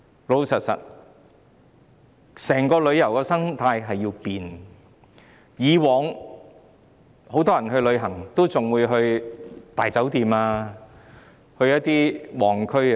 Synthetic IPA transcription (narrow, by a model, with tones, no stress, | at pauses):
lo˨˧wsɐ˨t̚sɐ̰˨˩t̚ | sɛː˨˩ŋkɔː˧lɵ˨˧ɥjɐ˨˩wkɛː˧sɐ˥ŋt̪ʰaː˧jɦɐ˨jːiː˧wpiː˨n | jiː˨˧wɔː˨ŋ | ho˨˥wt̪ɔː˥jɐ˨˩nɦɵ˧ɥlɵ˨˧ɥɦɐ˨˩ŋt̪o˥wt͡sʊ˨ŋwuː˨˧jɦɵ˧ɥt̪aː˨˩jt͡sɐ˨˥wt̪iː˨maː˧ | hɵ˧ɥjɐ˥t̚t̪iː˥wɔː˨˩ŋkʰɵ˥ɥ